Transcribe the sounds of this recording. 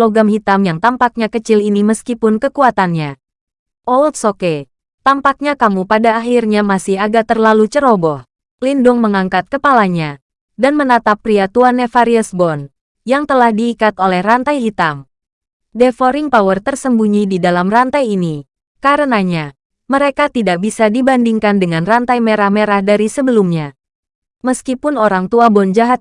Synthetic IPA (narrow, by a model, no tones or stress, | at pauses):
loɡamhit̪amjaŋt̪ampak̚ɲakət͡ʃɪliniməskipʊnkəkuat̪anɲa | ʔoult̪̚soke | t̪ampak̚ɲakamupadaːɦirɲamasɪhaɡaʔt̪ərlalut͡ʃəɾobɔh | lindʊŋməŋaŋkat̪̚kəpalaɲa | danmənat̪apːɾiat̪uanefaɾiəsbɔn | jaŋt̪əlahdiːkat̪olɛhrant̪ajit̪am | defoɾɪŋpawərt̪ərsəmbuɲididalamrant̪ajini | kaɾənaɲa | məɾekat̪idak̚bisadibandiŋkandəŋanrant̪ajmeɾahmeɾahdaɾisəbəlumɲa | məskipʊnoɾaŋt̪uabɔnd͡ʒaɦat̪̚